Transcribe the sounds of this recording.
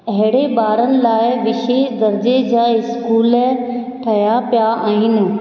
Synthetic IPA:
ɐɦɪɽebaːɾənɪ̆laːɪʋɪʃeːʃd̪ɐɾd͡ʑed͡ʑaːɪskuːl | ʈʰɐjapjaaːɦɪnɪ

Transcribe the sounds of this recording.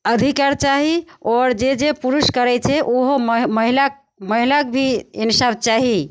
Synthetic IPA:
əd̪ʱikaɾt͡ʃaɦiɔɾd͡ʒed͡ʒepuɾuskəɾɛt͡ʃʰɛʔoɦoməɦila | məɦilakbʱiinsabt͡ʃaɦi

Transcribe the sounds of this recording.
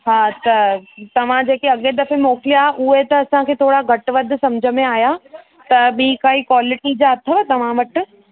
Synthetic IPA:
ɦaːt̪ɐt̪ɐʋ̤ãd͡ʑeːkeɐɠed̪ɐfemɔːkɪlijaːɦʔʊɦet̪ɐːsãkʰeːt̪ʰoːɽaɡʱɐʈʋɐd̪ʱsɐmd͡ʑʱəmẽaːja | t̪ɐɓĩːkaikwaːlɪʈid͡ʑaɐt̪ʰəʋət̪ɐʋ̤ãʋɐʈɪ̆

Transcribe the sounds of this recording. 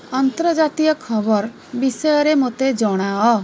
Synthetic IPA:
ɔnt̪ɾɔd͡ʒat̪ijɔkʰɔbɔɾ | bisɔjɔɾemot̪ed͡ʒɔɽ̃aɔ

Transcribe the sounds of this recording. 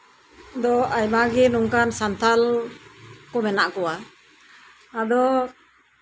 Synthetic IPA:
d̪ɔajmaɡɛnuŋkansant̪ʰal | kɔmɛnaʔkɔwa | d̪ɔ

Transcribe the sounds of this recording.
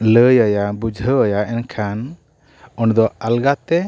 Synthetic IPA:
ləjajabud͡ʒʱəəjaɛnkʰan | ɔɳd̪ɔalɡat̪ɛ

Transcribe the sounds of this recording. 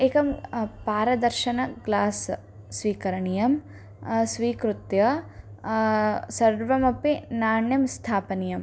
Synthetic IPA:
eːkɐmpaːɾɐd̪ɐɾʃɐnɐɡlaːsː | ʋiːkɐɾɐɳijɐm | sʋiːkɾut̪jɐ | sɐɾʋɐmɐpenaːɳjɐmst̪ʰaːpɐnijɐm

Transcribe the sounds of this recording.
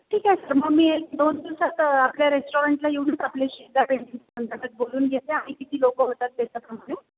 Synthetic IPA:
ʈʰiːkaɦesəɾməɡmiːd̪ond̪isat̪apljaɾesʈoɾeɳʈlaeʋɽit͡sapleɕid̪apeɳʈiŋsəŋɡʱəʈ̪ət̪̚boluːnɡʱɛt̪eamikit̪ʰiːlokəɦot̪at̪̚d̪et̪əp̪ɾəmaɽe

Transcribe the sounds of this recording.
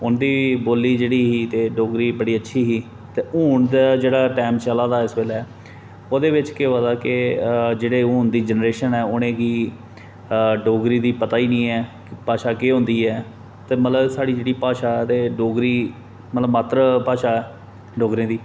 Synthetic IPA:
ʊnd̪iːboːliːd͡ʒeːɽiːɦiːt̪eːɖoːɡɾiːbəɽiːətːʃʰiːɦiː | t̪eːuːɳd̪aːd͡ʒeːɽaːʈɛːmt͡ʃəlaːd̪aːɪsʋeːlɛː | oːd̪eːʋɪt͡ʃkeːaːd̪aːkɪd͡ʒeːɽeːũːɳd̪iːd͡ʒənɾeːʃənɛːʊɽ̃ẽːɡiː | ɖoːɡɾiːd̪iːpət̪aːiːnĩːɛːkpaːʃaːkeːɦʊ̃nd̪iːɛː | t̪eːmət̪ləbsaːɽiːd͡ʒeːɽiːpaːʃaːɛːt̪eːɖoːɡɾiː | mət̪ləbmaːt̪ɾəpaːʃaːɛː | ɖoːɡɾẽːd̪iː

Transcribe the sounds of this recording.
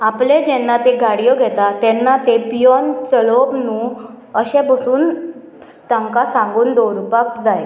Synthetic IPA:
apled͡ʑɛnːat̪eɡʱaɽijɔɡʱɛt̪at̪ɛnːat̪epijɔnt͡səlobnuː | əɕɛ̃bəsuːn | t̪ãŋkasãŋɡuːnd̪oɾupak̚d͡zaj

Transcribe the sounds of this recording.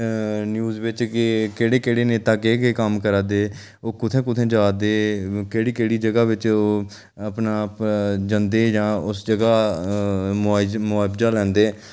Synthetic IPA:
njuːzʋɪt͡ʃkɪkeːɽeːkeːɽeːneːt̪aːkeːkeːkəmkəɾaːd̪eː | oːkʊt̪ʰẽːk̬ʊt̪ʰẽːd͡ʒaːd̪eːkeːɽiːkeːɽiːd͡ʒəɡaːʋɪt͡ʃoː | əpnaːpd͡ʒənd̪eːd͡ʒãːʊsd͡ʒəɡaː | mːmʊaːbd͡ʒaːlɛ̃ːnd̪eː

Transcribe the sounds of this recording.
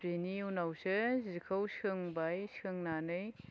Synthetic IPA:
peniunawsɯzikʰawsɯŋbajskʰɯŋnanɯj

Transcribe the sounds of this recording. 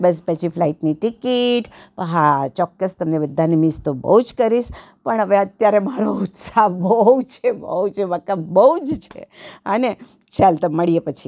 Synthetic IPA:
bəs̬pət͡ʃʰifʰlaiʈniʈikiʈpəɦat͡ʃɔkːəst̪əmnebəd̪ʱːanimist̪obə̰ɦud͡ʒkəɾiʃ | pəɳɦəʋeət̪jaɾemaɾout̪sabəɦut͡ʃʰebə̰ɦut͡ʃeʋakabəɦud͡ʒt͡ʃʰḛəne | t͡ʃalt̪oməɭijepət͡ʃʰi

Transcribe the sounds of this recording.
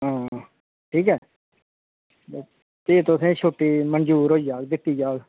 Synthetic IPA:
ɦãː | ʈʰiːkɛː | t̪eːt̪osẽːt͡ʃʰoːʈiːmənd͡ʒuːɾɦoːid͡ʒaːɡd̪ɪʈːiːd͡ʒaːɡ

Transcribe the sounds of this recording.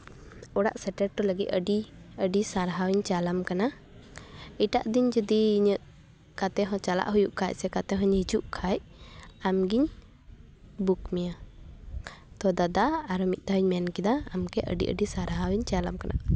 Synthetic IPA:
ɔɽa̰ʔsɛʈɛʈ̚ːɔləɡit̪̚əɖi | əɖisaɾɦawiɲt͡ʃalamkana | iʈa̰ʔd̪iɲd͡ʒəd̪iɲəʔ | kat̪ɛɦɔ̃t͡ʃala̰ʔɦujuʔkʰaj̚ˀsɛkat̪ɛɦɔ̃ɲhid͡ʒuʔkʰajamɡiɲ | bukmɛja | t̪ɔd̪ad̪aːɾɔmit̪̚ˀt̪aɦiɲmɛnkid̪aːmkɛʔə̰ɖḭʔə̰ɖisaɾɦawiɲt͡ʃalamkanʔa̰

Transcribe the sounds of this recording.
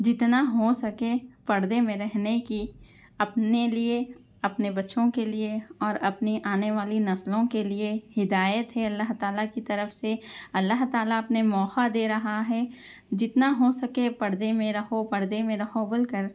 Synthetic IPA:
d͡ʒɪt̪naɦosɐkepɐɽd̪emẽɾɛɦneki | ɐpnelie | ɐpnebɐtːʃõkelieɔːɾɐpniʔaːneʋaːlinɐslõkeliehɪd̪aːjət̪ɦɛɐlːaɦt̪aːlakit̪ɐɾəfseɐlːaɦt̪aːlaɐpnemɔːxad̪eːɾɐɦaɦɛː | d͡ʒɪt̪naɦosɐkepɐɽd̪emẽɾɐhopɐɾd̪emẽɾɐhobɪlkəɾ

